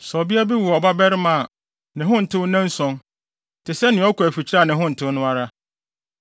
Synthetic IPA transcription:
sɔ˨bi˦a˦bi˦wʊ˨ɔ˨ba˦bɛ˦ɾɪ˦mã˨ | nɪ̃˨ɦʊ̃˦n̩˨tʰɪ̃˦wnɛ̃˦n̩˦sɔ̃˦ŋ | tʰɪ˨sɛ˦nɪ̃˨ɔ˦kʰʊ˨æ˨fi˨t͡ɕʰi˦ɾa˦˨nɪ̃˨ɦʊ̃˦n̩˨tʰɪ̃˦ʊ˦nʊ̃˦a˦ɾa˦

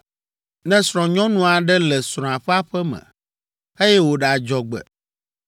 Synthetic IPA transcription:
nɛ̃˦sɾ̃ɔ̃˨ɲɔ̃˦nũ˦a˨ɖɛ˦lɛ˨sɾ̃ɔ̃˨a˨ɸɛ˦a˦ɸɛ˦mɛ̰̃˨ | e˦jɛ˦wo˨ɖɛ˨a˨d͡ʒɔ˨ɡ͡bɛ̰˨

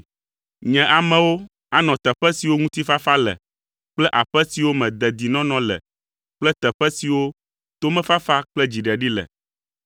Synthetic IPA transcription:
ɲɛ̃˨ʔa˨mɛ̃˨wo˦ | a˦nɔ̃˨t̪ɛ˨ɸɛ˦si˨wo˦ŋũ˦t̪i˦fa˦fa˦lɛ̰˨ | k͡plɛ˦ʔa˨ɸɛ˦si˨wo˦mɛ̃˨d̪ɛ˨d̪i˨nɔ̃˦nɔ̃˨lɛ̰˨ | k͡plɛ˦t̪ɛ˨ɸɛ˦si˨wo˦ | t̪o˦mɛ̃˦fa˦fa˦k͡plɛ˦d͡ʑi˨ɖɛ˨ɖi˦lɛ̰˨

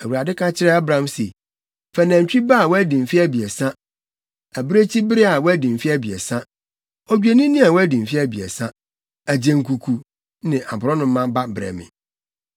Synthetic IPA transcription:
æ˨wu˨ɾa˨dɪ˦kʰã˦t͡ɕʰɪ˦ɾɛ˦a˦bɾã˨˦msḛ˨ | fɛ˨næ̃˨ɲ˨t͡ɕᶣi˦ba˦˨wɔ˦æ˦dĩ˨m̩˨fi˦æ˦bi˨ɛ˨sã˦ | æ˨bɾe˦t͡ɕʰi˦bɪ˦ɾɪ˦a˨wɔ˦æ˦dĩ˨m̩˨fi˦æ˦bi˨ɛ̰˨sã˦ | ɔ˦d͡ʑᶣu˦e˨nĩ˦nĩ˦a˨wɔ˦æ˦dĩ˨m̩˨fi˦æ˦bi˨ɛ̰˨sã˦ | æ˨d͡ʑẽ˨ŋ̩˨kʰu˨kʰu˨ | nɪ̃˨ʔa˨bʊ˨ɾɔ˦nʊ̃˦m̩˦mã˦ba˦bɾɛ̰˨mɪ̰̃˨

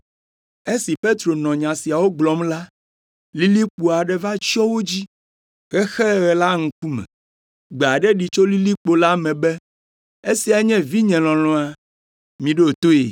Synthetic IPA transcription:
e˦si˨pe˦t̪ɾo˨nɔ̃˨ɲã˨si˨a˨wo˦ɡ͡blɔ˨˦mla˦ | li˦li˦k͡pu˨a˨ɖɛ˦va˦t͡ʃɔ˦wo˦d͡ʑi˦ | ɣɛ˦xɛ˦ɣɛ˨la˦ŋ̩̃˨k̚u˦mɛ̰̃˨ | ɡ͡be˨a˨ɖɛ˦ɖi˨t͡ʃo˦li˦li˦k͡po˨la˦mɛ̃˨bɛ˦ | e˦si˨a˨˦ɲɛ̃˦vi˦ɲɛ̃˨lɔ̃˨lɔ̃˨˦a˨ | mĩ˨ɖe˦o˨t̪o˦ḛ˨

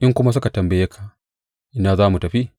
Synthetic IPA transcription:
ʔɪ˦ŋkʷʊ˦ma˦s̬ʊ˦ka˨tɐ˨mbɐ˨je˦kʰa˨ | ʔɪ˦naː˨zaː˦mu˨tɐ˨ɸi˦

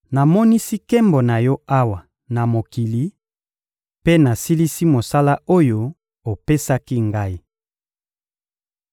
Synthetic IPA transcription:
na˨mɔ˦ni˦si˦ke˦mbo˨na˨jɔ˦a˦wa˨ | na˨mo˨ki˨li˨ | pe˦na˨si˦li˦si˦mo˨sa˦la˦o˦jo˦ | o˨pe˦sa˦ki˦ŋɡa˦i˦

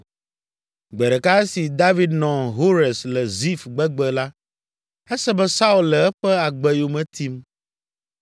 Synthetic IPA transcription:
ɡ͡bɛ˨ɖɛ˨ka˦ɛ˦si˨d̪a˦vi˨d̪nɔ̃˨ɦo˦ɾɛ˨slɛ˨zi˦fɡ͡bɛ˦ɡ͡bɛ˨la˦ | ɛ˦sɛ˦bɛ˦sa˦u˨˦llɛ˨ɛ˦ɸɛ˦a˨ɡ͡bɛ˨jo˨mɛ̃˨t̪ʰi˦m

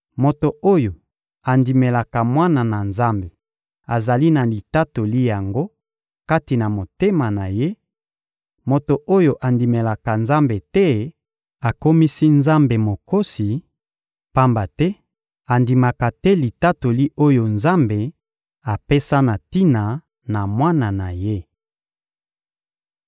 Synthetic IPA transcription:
mo˨to˨o˦jo˨ | a˨ndi˨me˨la˨ka˨mwa˦na˨na˨nza˦mbe˨ | a˨za˨li˦na˨li˨ta˦to˨li˦ja˨ŋɡo˦ | ka˦ti˨na˨mo˨te˦ma˨na˨je˦ | mo˨to˨ʔo˦jo˨ʔa˨ndi˨me˨la˨ka˨nza˦mbe˨tɛ˦ | a˨ko˦mi˦si˦nza˦mbe˨mo˨ko˦si˨ | pa˦mba˨tɛ˦ | a˨ndi˨ma˨ka˨tɛ˦li˨ta˦to˨li˦ʔo˦jo˨nza˦mbe˨ | a˨pe˦sa˦na˨ti˦na˨ | na˨mwa˦na˨na˨je˦

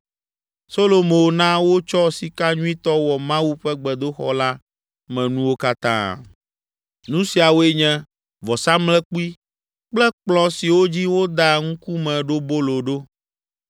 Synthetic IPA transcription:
so˦lo˨mo˨nã˦wo˦t͡ʃɔ˦si˨ka˦ɲũ˦ĩ˦t̪ɔ˦wɔ˨mã˦wu˦ɸɛ˦ɡ͡bɛ˨d̪o˦xɔ̰˦la˦ | mɛ̃˨nũ˦wo˦ka˦t̪ã̰˦ | nũ˦si˨a˨wo˦e˦ɲɛ̃˦ | vɔ˨sa˦mlɛ̃˦k͡pu˦i˦ | k͡plɛ˦k͡plɔ̃˨si˨wo˦d͡ʑi˦wo˦d̪a˦ŋũ˦ku˦mɛ̃˨ɖo˦bo˦lo˨ɖo˦

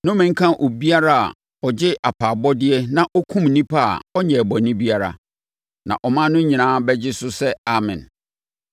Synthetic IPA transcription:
nʊ̃˦mɪ̃˨ŋ̩˦kʰã˦ʔo˨bi˦a˦ɾa˦a̰˨ | ɔ˨d͡ʑɪ˦ʔa˨pʰa˨bɔ˦dɪ˦ɛ˦nã˨ʔɔ˦kʰũ˦mnĩ˦pʰa˦a̰˨ɔ˦ɲɛ̃˨bɔ˨nĩ˦bi˦a˦ɾa̰˨ | nã̰˨ʔɔ˨mã˦nʊ̃˦ɲĩ˨nãː˦bɛ˦d͡ʑɪ˦sʊ˦sɛ˦a˨mɪ̰̃˨n

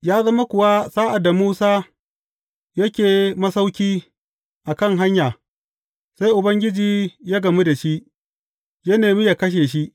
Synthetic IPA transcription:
jaː˦zɐ˦ma˦kʷʊ˨wa˦saː˦ʔa˨dːa˨muː˦saː˦ | jɐ˦kʲeː˨mɐ˦sa˦wkʲiː˦ | ʔa˨kɐ˦˨ŋɦa˦ɲjaː˨ | sa˦jʔʊ˨bɐ˦ŋɡʲɪ˦d͡ʒiː˨jaː˦ɡɐ˨mi˦da˨ʃi˦ʔ | jɐ˦neː˨mi˦ja˨kɐ˦ʃ̬eː˨ʃ̬i˦ʔ

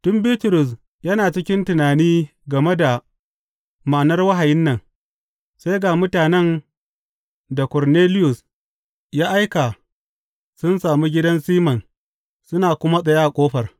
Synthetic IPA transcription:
tʊ˦mbiː˦tʊ˨ɾʊ˨s̬ | jɐ˦naː˨t͡ʃɪ˦kʲɪ˦ntʊ˨naː˨niː˦ | ɡɐ˨me˦da˨ | ma˨nɐ˦rwɐ˦ɦa˨jɪ˦nːɐ˨ŋ | sa˦jɡa˨mʊ˦taː˨nɛ˦n | da˨kɔ˨rneː˦lɪ˦jʊ˨s | jaː˦ʔa˦jka˨ | sʊ˦nsaː˨mu˦ɡʲɪ˦dɐ˦nsiː˦mɐ˨n | sʊ˦naː˨kʷʊ˦ma˦sʼɐ˨jaː˦ʔa˨kʷʼoː˦ɸɐ˨r

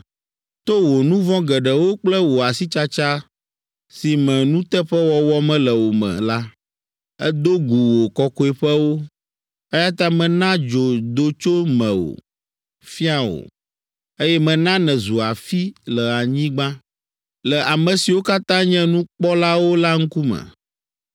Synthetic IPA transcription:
t̪o˦wo˨nũ˦vɔ̃˦ɡɛ˨ɖɛ˨wo˦k͡plɛ˦wo˨a˨si˦t͡ʃa˦t͡ʃa˦ | si˨mɛ̃˨nũ˦t̪ɛ˦ɸɛ˦wɔ˨wɔ˦mɛ̃˦lɛ˨wo˨mɛ̰̃˨la˦ | ɛ̰˦d̪o˦ɡu˨wo˨kɔ˦ko˦ɛ˨ɸɛ˦wo˦ | ɛ˦ja˦t̪ã˦mɛ̃˨nã˦d͡ʒo˨d̪o˨t͡ʃo˦mɛ̃˨wo̰˨ | fi˦a˨wo̰˨ | e˦jɛ˦mɛ̃˨nã˦nɛ̃˨zu˨a˨fi˦lɛ˨a˨ɲĩ˦ɡ͡bã˦ | lɛ˨ʔa˨mɛ̃˨si˨wo˦ka˦t̪ã˦ɲɛ̃˦nũ˦k͡pɔ˦la˦wo˦la˦ŋ̩˦ku˦mɛ̰̃˨

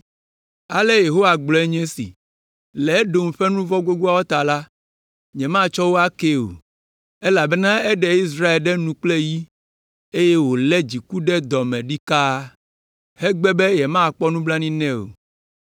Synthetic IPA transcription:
a˨lɛ˦je˨ɦo˦wa˨ɡ͡blɔ˨ɛ˦ɲɛ̃˦sḭ˨ | lɛ˨˦ɖo˨m˨ɸɛ˦nũ˦vɔ˦ɡo˦ɡu˦a˦wɔ˦t̪a˨la˦ | ɲɛ̃˨mã˦˨t͡ʃɔ˦wo˦a˦ke˦o̰˨ | e˦la˨bɛ˦nã˦ɛ˦ɖɛ˨i˦s̬ɾa˦e˨lɖɛ˦nũ˦k͡ple˦ji˦ | e˦je˦wo˨lɛ˦d͡ʑi˨ku˦ɖɛ˦d̪ɔ˨mɛ̃˨ɖi˦ka˦ | hɛ˦ɡ͡bɛ˦be˦jɛ˨mã˦˨k͡pɔ˦nũ˦bla˦nĩ˦nɛ̃˦o̰˨

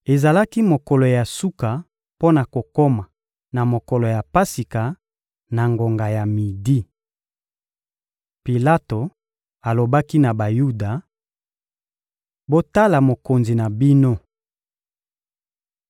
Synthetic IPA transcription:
e˨za˨la˦ki˦mo˨kɔ˨lɔ˨ja˨su˦ka˨ | po˦na˨ko˨ko˦ma˨ | na˨mo˨kɔ˨lo˨ja˨pa˦si˨ka˨ | na˨ŋɡo˨ŋɡa˨ja˨mi˨di˦ | pi˨la˦to˨ | a˨lo˨ba˦ki˦na˨ba˨ju˦da˨ | bo˦ta˦la˨mo˨ko˨nzi˨na˨bi˦no˦

